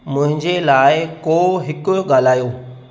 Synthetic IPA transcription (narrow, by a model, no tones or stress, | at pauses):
mʊ̃ɦɪ̃ɲd͡ʑelaːɪkoːɦɪkʊ̆ɠaːl̤aːjoː